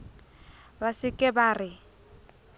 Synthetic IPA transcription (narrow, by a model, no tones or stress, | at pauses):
basɪkʼɛbaːrɪ